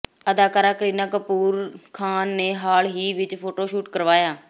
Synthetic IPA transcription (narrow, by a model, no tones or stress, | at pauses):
əd̪aːkaːɾaːkɾiːnaːkəpuːɾkʰaːnːeːɦaːlɦiːʋɪt͡ʃpʰoːʈoːʃuːʈkəɾʋaːjaː